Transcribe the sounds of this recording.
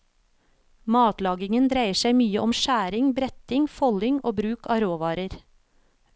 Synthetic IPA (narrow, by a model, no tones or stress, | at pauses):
mɑːt̪lɑːɡɪŋənd̪ɾæɪəʃæɪmyːəʔɔmʃæːɾɪŋbɾɛt̪ɪŋfɔlɪŋʔoːbɾʉːkʰɑ̰ːɾoːʋɑːɾəɾ